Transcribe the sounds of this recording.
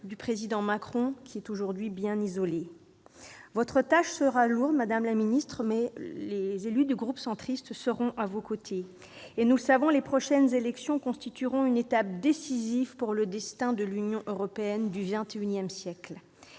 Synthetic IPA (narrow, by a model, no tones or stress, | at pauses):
d̪ypχezid̪ɑ̃makχɔ̃kʲiɛt̪oʒuʁd̪ɥibjɛ̃nizɔle | vɔt̪χət̪aʃsəʁaluʁd̪mad̪amlaminist̪χmɛlezelyd̪yɡʁupsɑ̃t̪χist̪səʁɔ̃ʔavokot̪ʰeː | nuləsavɔ̃lepχɔʃɛnzelɛksjɔ̃kɔ̃st̪it̪yʁɔ̃ynet̪ap̚d̪esizivpuʁləd̪ɛst̪ɛ̃d̪əlynjɔ̃ʔøʁɔpeɛnd̪yvɛ̃t̪eynjɛmsjɛkl